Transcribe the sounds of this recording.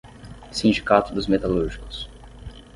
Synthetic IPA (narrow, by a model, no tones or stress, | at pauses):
sĩnd͡ʒikat̪ʊd̪ʊzmet̪aluɾʒikʊ̥s